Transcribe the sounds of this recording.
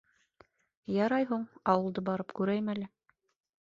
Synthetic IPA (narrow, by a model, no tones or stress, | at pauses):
jɑɾɑjɦuɴɑwɤ̆lˠd̪ɤbɑɾɤpkʉɾæjmælɘ